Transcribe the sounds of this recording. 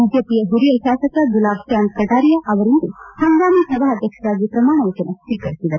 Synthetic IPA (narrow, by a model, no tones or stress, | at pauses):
id͡ʒjepijɐɦuɾijɐʃaːsɐkɐd͡ʒulaːbʃjaːnkɐdaːɾijɐʔɐʋɐɾint̪uhɐŋɡaːmisɐbʱaɦɐd̪ʱjɐkʂaːd͡ʒipɾɐmaːɳɐut͡ʃɐnɐt̪ik̪kɐɾisid̪ɐ